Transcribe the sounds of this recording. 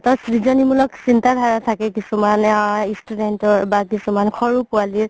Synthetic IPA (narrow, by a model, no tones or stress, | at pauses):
tɔsɹizɔnimulɔksintadʱaɹatʰakɛkisumanaistudɛntɔɹbakisumankʰɔɹupualiɹ